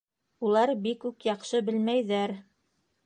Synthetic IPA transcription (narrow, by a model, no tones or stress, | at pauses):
ulˠɑɾbikːʉkjɑqʃɤbɘ̆lmæjðæɾ